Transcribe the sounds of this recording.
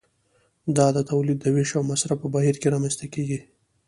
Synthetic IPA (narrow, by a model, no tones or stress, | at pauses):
d̪ɑd̪ət̪awlid̪ːəweʃawmasɾapəbaɦiɾkeɾɑmanst̪akeɡi